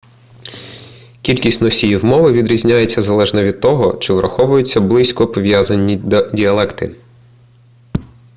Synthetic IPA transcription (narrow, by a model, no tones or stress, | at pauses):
kʲilʲkʲisʲtʲnɔsʲijiwmɔʋɪʋʲid̪ɾʲizʲnʲajet͡sʲːɐzɐlˠɛʒnɐʋʲid̪̚t̪ɔɦɔt͡ʃɪʋɾʔɐ̰xɔʋʊjʊt͡sʲːɐblˠɪsʲkɔpɔʋʲjazɐnʲːidʲiɐlˠɛkt̪ɪ